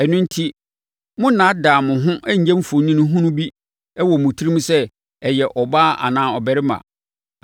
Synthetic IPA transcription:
ɛ˨nʊ̃˦n̩˦tʰi˦ | mʊ̃˦nã˨˦daː˨mʊ̃˨ɦʊ̃˦ʔɛ˦ɲ̩˨˦ɛ̃˦m̩˦fo˨nĩ˦nʊ̃˦ɦʊ̃˦nʊ̃˦bi˦ | ɛ˦wɔ˨mʊ̃˨tʰi˦ɾi˦mũ˦sɛ˦ | ɛ˨jɛ˨ʔɔ˨baː˦ʔa̰˨nãː˨ɔ˨bɛ˨ɾɪ˦mã̰˨

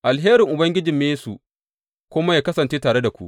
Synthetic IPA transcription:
ʔa˨lɦeː˦ɾɪ˨ŋʔʊ˨bɐ˦ŋɡʲɪ˦d͡ʒɪ˨mːeː˦su˨ | kʷʊ˦ma˦jaː˨kɐ˦sɐ˨nt͡ʃeː˦taː˨ɽe˦da˨kʷṵ˦ʔ

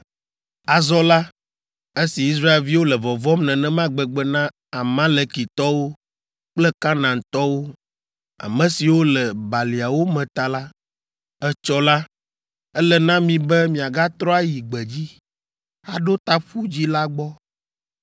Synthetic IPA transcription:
a˨zɔ˦la˦ | e˦si˨i˦s̬ɾa˦e˨lvi˦wo˦lɛ˨vɔ˨vɔ˦mnɛ̃˨nɛ̃˦mã˦ɡ͡bɛ˨ɡ͡bɛ˦nã˦ | a˨mã˦lɛ˨ki˨t̪ɔ˦wo˦ | k͡plɛ˦kã˦nã˨ŋ˨t̪ɔ˦wo˦ | a̰˨mɛ̃˦si˨wo˦lɛ˨ba˨li˨a˨wo˦mɛ̃˨t̪a˨la˦ | ɛ˦t͡ʃɔ˦la˦ | ɛ˦lɛ˨nã˦mĩ˨bɛ˦mĩ˨a˨ɡa˦t̪ɾɔ˦a˦ji˨ɡ͡bɛ˨d͡ʑi˦ | ha˦ɖo˦t̪a˦ɸu˦d͡ʑi˦la˦ɡ͡bɔ˦

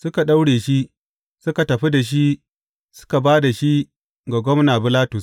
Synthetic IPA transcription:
sʊ˦ka˨ɗa˦wɽeː˨ʃi˦ | sʊ˦ka˨tɐ˨ɸi˦da˨ʃ̬i˦ | sʊ̥˦ka˨baː˦da˨ʃi˦ | ɡa˨ɡʷɔ˦mnaː˨bɪ˦laː˦tʊ˨s

